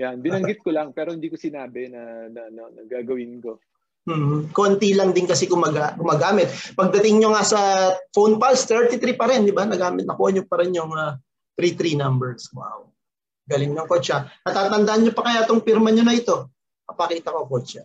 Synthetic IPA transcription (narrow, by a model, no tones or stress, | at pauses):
janbɪnɐŋɡɪt̪̚kolɐŋpɛːɾohɪnd̪iːkosɪnaːbɛnɐnɐnɐnɐɡaːɡɐwɪnko | m̩ːʔ̩ko̞nt̪ilɐŋd̪ɪnkɐsɛɡʊmaɡaɡʊmaːɡaːmɪt̪̚pɐɡ̚d̪ɐt̪ɪŋɲoŋasɐfownpalst̪ɛɹt̪it̪ɾipɐɾɛnd̪ɪbanɐɡaːmɪt̪nɐkuːʔɐnjʊoŋpɐɾɛnjʊŋɐ | t̪ɾit̪ɾinɐmbɛɹswa̰w | ɡɐlɪŋɲʊɐŋkot͡ʃɐnɐt̪aːt̪ɐnd̪ɐʔɐnɲopɐkɐjat̪oŋpɪɾmɐɲonɐɪt̪o̞ | mɐpɐkiːt̪ɐkokot͡ʃɐ